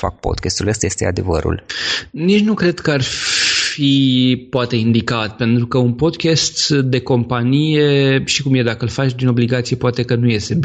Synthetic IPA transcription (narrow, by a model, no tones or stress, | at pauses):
fa̰k̚po̰d̪kʲest̪uləst̪aje̞st̪ḛa̰d̪ḛvə̰ɾṵlnit͡ʃʲnukɾe̞d̪kəarffipoat̪e̞ind̪ikat̪̚pe̞nt̪ɾukəunpo̞d̪kʲest̪d̪e̞ko̞mpanijeʃikumjed̪akəɨlfat͡ʃʲd̪ino̞bliɡat̪sije̞poat̪e̞kənuje̞st̪e̞